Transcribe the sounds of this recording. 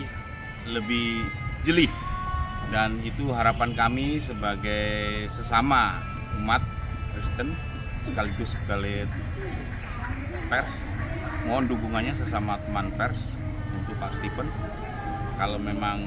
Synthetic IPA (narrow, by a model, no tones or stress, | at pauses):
ləbɪhd͡ʒəlɪh | danit̪uɦaɾapankamisəbaɡajsəsama | mat̪̚ | kɾist̪ən | səkaliɡʊskali | pɛrs | mɔnduɡuŋanɲasəsamat̪əmanpɛrs | unt̪ʊkpast̪ifən | kalomemaŋ